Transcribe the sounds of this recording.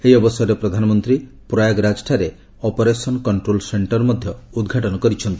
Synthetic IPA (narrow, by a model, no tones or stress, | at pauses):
eɦiɔbɔsjɔɾepɾɔd̪ʱanɔmɔnt̪ɾi | pɾɔjaɡɾad͡ʒʈʰaɾe | ɔpɔɾesɔnɔkɔɳʈɾolseɳʈɔɾmɔd̪ʱjɔud̪ɡʱaʈɔnɔkɔɾit͡ʃʰɔnt̪i̥